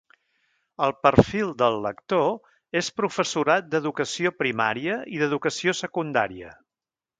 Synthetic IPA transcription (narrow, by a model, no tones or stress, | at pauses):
əlˠpəɾfilˠd̪əlˠːək̚t̪o | espɾufəsuɾat̪̚d̪əðukəsiopɾima̰ɾiəiðəðukəsiosəkund̪a̰ɾiə̰